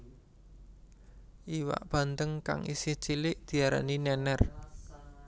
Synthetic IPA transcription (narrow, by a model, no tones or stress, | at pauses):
ʔiwa̰ʔb̥a̤nt̪əŋka̰ŋḭsɪht͡ʃilɪʔd̪̥i̤aɾa̰ninɛnɛr